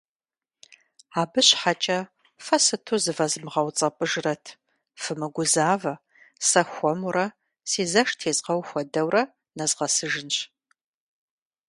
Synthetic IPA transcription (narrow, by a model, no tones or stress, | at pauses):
aːbɨɕħat͡ʃʼɐ | fɐsɨtʰuzɨvɐzɨmʁɐwt͡sʼɐpʼɨʒrɐtʰ | fɨmɨɡʷʊzaːvɐ | sɐxʷɔmʊɾɐ | siːzɐʂtʰeːzqɐwxʷɔdɐwrɐ | nɐzʁɐsɨʒɨnɕ